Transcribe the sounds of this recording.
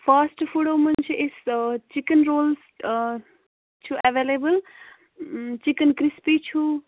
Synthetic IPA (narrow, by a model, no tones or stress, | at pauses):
pʰasʈpʰuɽomənt͡ʃʰiʔest͡ʃikənɾoːls | t͡ʃʰuʔɛʋelebəl | t͡ʃikənkɾispit͡ʃʰu